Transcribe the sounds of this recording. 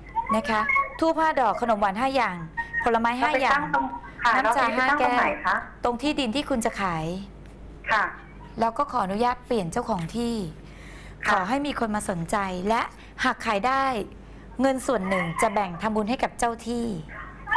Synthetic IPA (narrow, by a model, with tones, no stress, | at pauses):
na˦˥˩kʰa˦˥t̪ʰuː˥˩pʰaː˥˩dɔː˨˩kʰːa˧no˩˦mwa˨˩˦nɦaː˥˩jaː˨˩ŋpʰo˨˩˦la˧maː˦˥jɦaː˥˩jaː˧˥˩ŋ˧ | na˦˥m˦t͡ɕʰaː˧ɦaː˥kɛː˥˩˨t̪o˧ŋt̪ʰiː˥˩diː˧nt̪ʰiː˥˩kʰu˧nt͡ɕa˨˩kʰaː˩˦j | kʰ | lɛː˦˥wkɔː˥˩kʰɔː˩˦ʔnu˦˥jaː˥˩t̪̚pli˨˩ənt͡ɕa˥˩wkʰɔː˨˩˦ŋt̪ʰiː˥˩ | kʰɔː˩˦ɦa˥˩jmiː˧kʰo˧nmaː˧so˩˦nt͡ɕa˧jlɛ˦˥ʔ | ha˨˩kʰːaː˨˩˦jdaː˥˩j | ŋɤ˧nsu˨˩ənːɯ˨˩ŋt͡ɕa˨˩bɛ˨˩ŋt̪ʰa˧mbuː˧nha˥˩jka˨˩p̚t͡ɕa˥˩wt̪ʰiː˥˩